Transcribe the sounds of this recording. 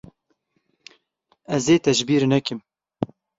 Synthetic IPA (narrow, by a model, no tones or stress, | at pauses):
ɛzeːt̪ɛʒbiːɾnɛkɪm